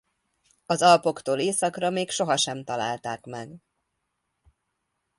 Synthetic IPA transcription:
ɒzɒlpo̞kt̪oːleːsɒkrɒmeːkʃo̞ɦɒʃɛmt̪ɒla̰ːlt̪aːkmɛɡ

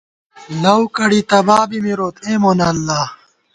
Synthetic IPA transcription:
lɐwkɐɽit̪ɐbaːbimiɾoːt̪ʰẽːmoːnɐlːaː

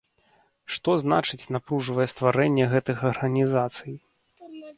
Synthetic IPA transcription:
ʂt̪ɔzna̰t͡ʂɨt͡sʲnapɾuʐvɐjɛst̪vaɾɛnʲːɛɣɛt̪ɨxɐrɣɐnʲizat̪sɨj

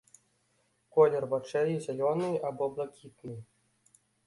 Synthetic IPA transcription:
kɔlʲɛrvat͡ʂɛjizʲalʲɔnɨjʔabɔblˠakʲit̪̚nɨj

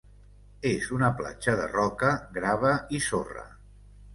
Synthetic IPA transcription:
ezunəpla̰d͡ʒəðə̰rɔkəɡɾaβ̞əisorə̰

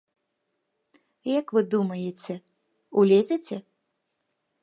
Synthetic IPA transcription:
jɐkvɨd̪umɐjet͡sʲɛ | ulʲezʲet͡sʲɛ

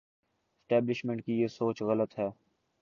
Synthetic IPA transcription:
ɪsʈɛːblɪʃmẽɳʈ̚kijeːsoːt͡ʃɣɐlət̪ɦɛː

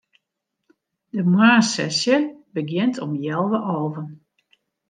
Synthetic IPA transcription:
dəmwaːsɛsjəbəɡjɪntʰɔmjɛlˠʋəʔɔːvən

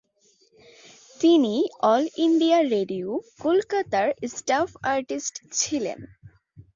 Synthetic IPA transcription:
t̪iniɔliɳɖijaɾeɖiukolkat̪aɾsʈafaɾʈisʈt͡ɕʰilḛn

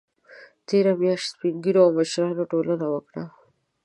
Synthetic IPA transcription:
t̪eɾamjɑʃt̪piŋɡiɾoawməʃɾɑnoʈolənawəkɽa

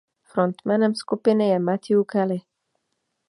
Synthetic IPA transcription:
fɾɔnt̪mɛnɛmskupɪnɪjɛmat̪ʲiukɛlɪ

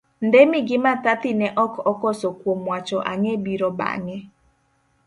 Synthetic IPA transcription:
ndemɪɡɪmat̪at̪ɪnɛʔɔkɔkɔsokwomwat͡ʃɔʔaŋebiɾɔba̰ŋɛ

